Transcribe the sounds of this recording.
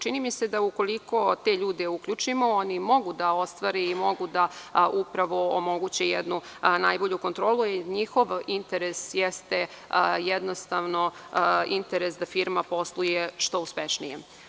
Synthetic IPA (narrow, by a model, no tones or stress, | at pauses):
t͡ʃinimise̞d̪auko̞liko̞t̪eːʎuːd̪e̞ukʎut͡ʂimo̞onimo̞ɡud̪aost̪ʋaɾeimo̞ɡud̪aupɾaʋo̞omoɡut͡ɕejɛd̪nu | najboʎuko̞nt̪ɾoːlˠuiɾɲixo̞ʋint̪eɾesjɛst̪e | jɛd̪nost̪aʋnoint̪eɾesd̪afiɾmapo̞slˠujeʃt̪o̞uspeʃnḭjḛ